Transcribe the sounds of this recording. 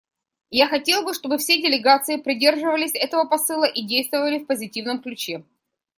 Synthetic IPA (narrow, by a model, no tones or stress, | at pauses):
jaxɐtʲe̞lˠbɨʂt̪o̞bɨfsʲedʲɪlʲɪɡat̪sɨɪpɾʲɪdʲe̞rʐɨvəlʲɪsʲɛt̪əvəpɐsɨlˠəʔidʲejst̪vəvəlʲɪfpəzʲɪtʲivnəmklʲʉt͡ɕe̞